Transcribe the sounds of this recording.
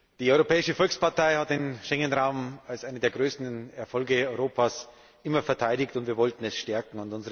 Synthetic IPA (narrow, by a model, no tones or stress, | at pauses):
d̥iːɔʏʁopɛːɪʃəfɔlkspaɐtaɪhat̚d̥eːnʃɛŋənʁaʊmalsʔaɪnədeːɐɡʁøːstn̩ɛɐfɔlɡəɔʏʁoːpʰaːs | ʔɪmɐfɛɐtʰaɪɾɪktʊntv̥iːɐvɔltn̩ɛsʃtɛɐkŋ̩ʊntʊnzəʁ